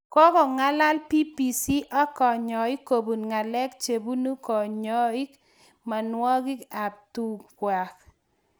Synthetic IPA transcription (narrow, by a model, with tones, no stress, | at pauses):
kɔ˦kɔ˨ŋa˦la˦lpi˦pi˨si˦ʔa˦kɔ˨ɲɔ˨ɪ˦kːo˨bu˨nŋa˨lɛ˦kt͡ʃe˨bu˦nu˦kɔ˨ɲɔ˦i˦k | ma˨nwɔ˦ɡɪ˦ka˨p̚tu˨kwa˨k